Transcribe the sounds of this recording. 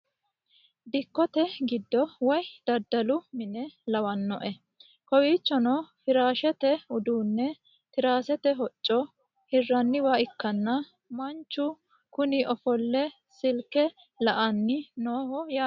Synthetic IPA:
d̪ɪkːɔt̪ɛɡɪd̪ːɔwɔjd̪̥ɐd̪ːɐlʊmɪnɛlɐwɐnːɔʔɛ | kɔwiːt͡ʃːɔnɔfɪɾaːʃɛt̪ɛʊd̪uːnːɛ | t̪ɪɾaːsɛt̪ɛɦɔt͡ʃʼːɔ | hɪrːɐnːɪwaːɪkːɐnːɐ | mɐnt͡ʃːʊ | kʊnɪʔɔfɔlːɛ | sɪlkɛ | lɐʔɐnːɪnoːhɔja

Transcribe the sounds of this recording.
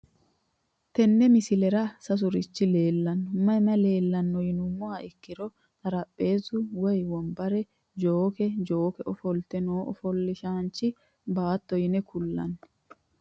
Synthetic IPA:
t̪ɛnːɛmɪsɪlɛɾɐsɐs̬ʊɾɪt͡ʃːɪle̞ːlːɐnːɔmɐjmɐle̞ːlːɐnːɔjɪnʊmːʊaʔɪkːɪɾɔ | t̪ɐɾɐpʼːe̞ːzʊwɔjwɔmbɐɾɛ | d͡ʒoːkɛd͡ʒo̞ːkɛɔfɔlt̪ɛnoːʔɔ̰fɔlːɪʃaːnt͡ʃːɪ | baːt̪ːɔjɪnɛkʊlːɐ̰n

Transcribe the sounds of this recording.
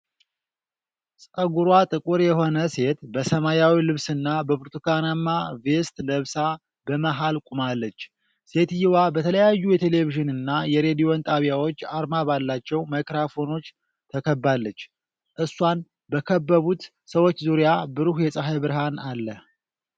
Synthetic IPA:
sʼəɡuɾwat̪ʼɨkʼuɾjɛho̞nəse̞t̪bəsəmajawilɨβsɨnːabəbɨɾt̪ʰukanamːave̞st̪ləβsa | bəmaɦalkʼumalːət͡ʃː | se̞t̪jɪwabət̪ʰələjajːujɛt̪ʰele̞viʒɪnɨnːajɛɾe̞d̪ijo̞nt̪ʼaβijawo̞t͡ʃːaɾmabalːat͡ʃːɛwmakɾafo̞no̞t͡ʃː | t̪ʰəkʰəbːalːət͡ʃː | ʔɨsːwan | bəkʰəbːəβut̪ | səwo̞t͡ʃːzuɾijabɨɾuhjɛsʼəɦajbɨɾɦanalːəh

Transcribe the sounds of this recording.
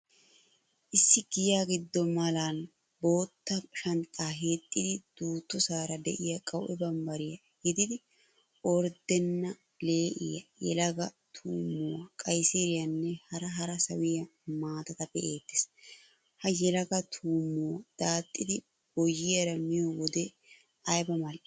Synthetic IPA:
ʔɪsːɪɡɪjaːɡɪd̪ːɔmɐlan | bo̞ːt̪ːɐʃɐnt̪ʼːaːɦeːt̪ʼːɪd̪ɪd̪̥uːt̪ːɔsaːɾɐd̪ɛ̰ʔɪjɐkʼɐwʔɛbɐmbɐɾɪjɐ | ɡɪd̪ɪd̪ɪ | ɔɾd̪ɛnːɐ | le̞ːʔɪ̰jɐjɛ̰lɐɡɐ | t̪ʰuːmːoːkʼɐjsiɾɪjɐnːɛhɐɾɐɦɐɾɐsɐwɪjɐmaːt̪ɐt̪ɐpːɛʔeːt̪ːɪ̥s | hɐjɛlɐɡɐt̪ʰuːmːoːd̪̥aːt̪ʼːɪd̪ɪ | b̥ɔjːɪjɐɾɐmɪjɔwɔd̪ɛ | ʔɐjbɐmɐlʔ

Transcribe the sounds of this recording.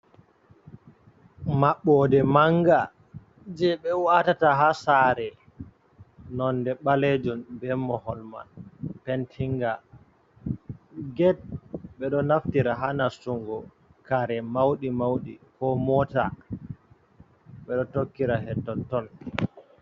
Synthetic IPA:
maɓːɔdɛmaŋɡa | d͡ʒɛɓɛwatataɦasaɾɛ | nɔndɛɓaled͡ʒunbɛmːɔhɔlma̰npɛntʰiŋɡa | ɡɛt̚ɓɛɗɔnaftiɾaɦanasuŋɡɔ | kaɾɛmawɗimawɗḭkɔmɔta̰ | ɓɛɗɔtokːiɾaɦɛtːɔntɔn

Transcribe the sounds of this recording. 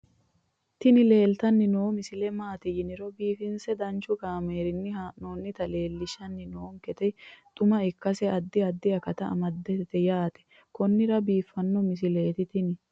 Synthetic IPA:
t̪ɪnɪle̞ːlt̪ɐnːɪnoːmɪsɪlɛmaːt̪ɪjɪnɪɾɔbiːfɪnsɛd̪ɐnt͡ʃʊɡaːmeːɾɪnːɪhaːnoːnːɪt̪ɐle̞ːlːɪʃɐnːɪnoːŋkɛt̪ɛt̪ʼʊmɐɪkːɐsɛɐd̪ːɪɐd̪ːɪɐkɐt̪ɐɐ̰mɐd̪ːɛt̪ɛjaːt̪ɛ̥ | kɔnːɪɾɐbiːfːɐnːɔmɪsɪleːt̪ɪt̪ɪnɪ

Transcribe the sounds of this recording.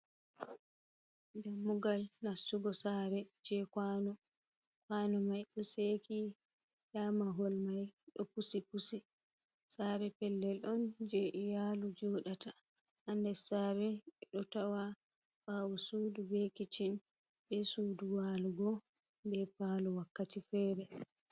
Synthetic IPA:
damːuɡalnasːuɡɔsabɛd͡ʒɛkanɔ | kwanɔmajɗɔseki | jamaɦɔlmajɗɔpusipusi | sabɛpɛlːɛlʔɔnd͡ʒɛʔijalud͡ʒɔɗatahandɛsaːbɛɗɔtawa | ɓawɔsuːdubekit͡ʃin | bɛsuːduwaluɡɔ | bɛpaluwakːatifɛɾɛ

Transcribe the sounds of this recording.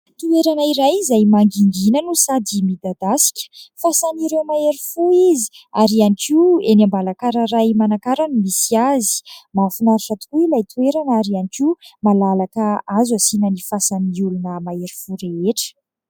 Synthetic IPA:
t̪ueɾanəiɾajzajmaŋɡiŋɡinənusad̪imid̪ad̪asi̥kʲə̥fasaniɾewmaeɾifuizi̥aɾianikienambalakaɾəɾajmanakaɾanimisiazi̥mafinaɾuʈ͡ʂat̪uilajt̪ueɾanaɾianikimalalakəazasinənifasaniulunəmaeɾifuɾeeʈ͡ʂə̥

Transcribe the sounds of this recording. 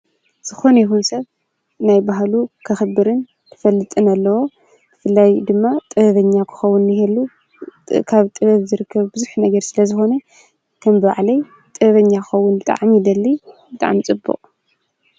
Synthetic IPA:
z̥ɨxo̞nɐjixunsɐβ | najbaɦlukʰɐxɨbɨɾɨn | t̪ʰɨfɐlːɨt̪ʼɨnɐlːɐwo̞ | b̥ɨfɨlːajd̪ɨmːat̪ʼɨβɐβɐɲːakʰɨ̥xɐwːunːɪhelːu | kʰaβt̪ʼɨβɐβzɨɾɨkʰːɐβbɨzuħnɐɡɐɾsɨlɐzɨxo̞nɐ | kʰɐmbɨβa̰ʕlɐj | t̪ʼɨβɐβɐɲːakɨxɐwːʊnbɨt̪ʼa̰ʕamid̪ɐlːibɨt̪ʼa̰ʕmt͡sʼɨbːṵqʼ

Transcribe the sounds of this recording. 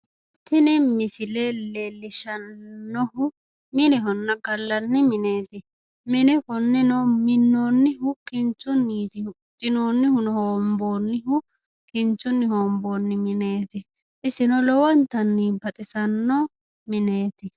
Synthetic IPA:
t̪ːɪnɪmɪsɪlelelːɪʃɐnːɔhʊ | mɪnɛɦɔnːɐɡɐlːɐnːɪmɪneːt̪ɪ | mɪnɛkɔnːɪnɔmɪnːoːnːɪhʊkɪnt͡ʃʊnːiːt̪ɪ | tʼɪnoːnːɪhʊnɔhoːmboːnːɪɦʊ | kɪnt͡ʃːʊnːɪhoːmbo̞ːnːɪmɪne̞ːt̪ɪ | ʔɪsɪnɔlɔwɐnt̪ɐnːiːbɐt̪ʼɪsɐnːɔ | mɪne̞ːt̪ɪ

